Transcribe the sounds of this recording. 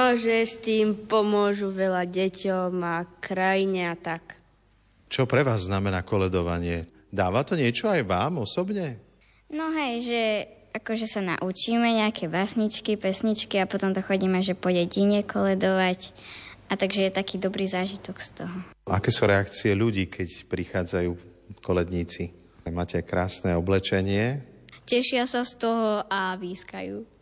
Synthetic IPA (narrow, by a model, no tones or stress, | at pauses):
ɔʒɛst̪iːmpɔmʊɔʒuʋɛlaɟɛcɔmakɾajiɲɛat̪ak | t͡ʃɔpɾɛʋaːzːnamɛnaːkɔlɛd̪ɔʋa̰ɲɪɛ | d̪aːʋat̪ɔɲɪɛt͡ʃɔajʋaːmɔsɔbɲɛ | nɔɦɛjʒɛ | akɔʒɛsana̰ʔut͡ʃiːmɛɲɛakʰɛbasɲit͡ʃkipɛsɲit͡ʃkiapɔt̪ɔmt̪ɔxɔɟiːmɛaʒɛpɔjɛɟiɲɛkʰɔlɛd̪ɔʋac | ʔat̪aɡʒɛjɛt̪akiːd̪ɔbɾiːzaːʒit̪ɔkst̪ɔɦɔʔakɛːsuːɾɛakt͡siɛluɟiːkʰɛcpɾixaːd͡zajuː | kɔlɛd̪ɲiːt͡si | maːcɛakɾaːsnɛɔblɛt͡ʃɛɲɪɛcɛʃɪasast̪ɔɦɔʔaʋiːska̰juː